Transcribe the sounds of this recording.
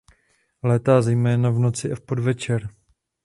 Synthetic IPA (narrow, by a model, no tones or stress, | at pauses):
lɛːt̪aːzɛjmɛːnavno̞t͡sɪʔɛfpodvɛt͡ʃɛɾ